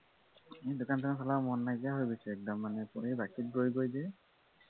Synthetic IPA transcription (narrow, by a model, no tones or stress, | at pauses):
edʊkantʰanasɔlamɔnːaɡijaɦojɡosɛɛk̚dɔmːanɛpebakit̚bɹojɡojde